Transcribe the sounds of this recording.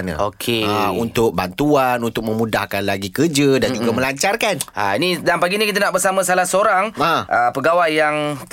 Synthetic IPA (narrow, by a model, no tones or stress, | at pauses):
na̰okʰeaunt̪ʊk̚bant̪uanunt̪ʊk̚mə̃mũdahkanlaɡikərd͡ʒədand͡ʒukamə̃laɲt͡ʃarkana̰inĩdanpaɡinikit̪̬anaʔbərsamãsalahsəoɾaŋaʔəpəɡawajːaŋ